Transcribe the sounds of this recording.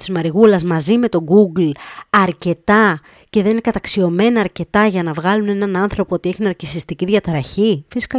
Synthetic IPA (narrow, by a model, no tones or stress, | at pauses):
t̪i̥zmɐɾiɣulɐzmɐzime̞t̪o̞ɡuɡlɐɾce̞t̪ɐ | ce̞ðe̞nine̞kɐt̪ɐksio̞me̞nɐːɾce̞t̪ɐʝɐnɐvɣɐlune̞nɐnɐnθɾo̞poot̪ieçinɐɾcisist̪iciðʝɐt̪ɾɐçifisi̥kɐ